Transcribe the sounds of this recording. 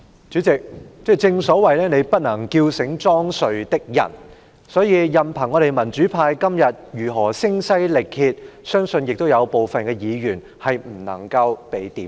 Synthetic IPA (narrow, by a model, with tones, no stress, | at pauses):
t͡ʃyː˨˥t͡sɪ˨k̚t͡sɛː˥˩t͡sɪ˧ŋsɔː˨˥wɐ˨jlɛː˥ne˨˧jpɐ˥t̚nɐ˨˩ŋkiː˧wsɪ˨˥ŋt͡sɔː˥ŋsɵ˨ɥt̪ɪ˥k̚jɐ̰˨˩n | sɔː˨˥jiː˧jɐ˨mpʰɐ˨˩ŋːɔː˨˧ɾe˨jmɐ˨˩nt͡ʃyː˨˥pʰaː˧jkɐ˥mjɐ˨t̚jyː˨˩ɦɔː˨˩sɪ˥ŋsɐ˥jlɪ˨k̚hiː˧t̚sœː˥ŋsɵ˧njɪ˨k̚t̪o˥wjɐ˨˧wpo˨wfɐ˨nkɛː˧jiː˨˧jyː˨˩n | hɐ˨jm̩˨˩nɐ̰˨˩ŋkɐ˧wpe˨jt̪iː˨˦m